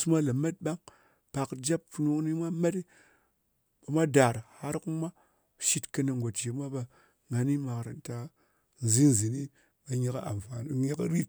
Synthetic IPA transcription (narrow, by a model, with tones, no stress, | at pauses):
su˦mʷa˦la˨ma˦t̚ɓa˦ŋ | pa˨kd͡ʒa˦pfu˨nu˦kni˦mʷa˦ma˦ti˦ | ɓa˨mʷa˦da˨ɾha˦ɾku˦mʷa˦ | ʃi˦tkə˧na˨ŋ˨ɡʷo˨td͡ʒe˨mʷa˦ɓa˧ | ŋa˨ni˦ma˨kɾa˨n˦ta˨ | n˨zi˦n˨zi˨ni˦ | ɓa˨ɲe˦ka˦a̰˨mfa˨n˨ɲe˦kɾi˦t̚